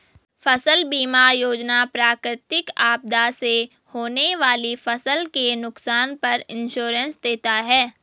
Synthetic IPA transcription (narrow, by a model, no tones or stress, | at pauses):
fɐsəlbiːmajoːd͡ʒnapɾaːkɾɪt̪ɪkaːb̚d̪ase | hoːneʋaːlifɐsəlkenʊksaːnpɐɾɪ̃nʃoːɾə̃nsd̪eːt̪aɦɛː